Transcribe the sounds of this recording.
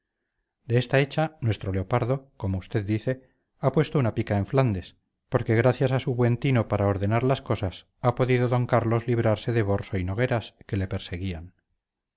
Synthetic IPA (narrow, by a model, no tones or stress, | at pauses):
d̪e̞est̪ae̞t͡ʃanwe̞st̪ɾo̞leo̞paɾðo̞ko̞moust̪e̞ðd̪iθe̞ | apwe̞st̪o̞unapikaeɱfland̪es | po̞ɾke̞ɣ̞ɾaθjasasuβwe̞nt̪ino̞paɾaoɾðe̞naɾlasko̞sas | apo̞ðiðo̞ðo̞ŋkaɾlo̞zliβ̞ɾaɾse̞ðe̞βo̞ɾso̞ino̞ɣ̞e̞ɾaske̞le̞pe̞ɾse̞ɣ̞ian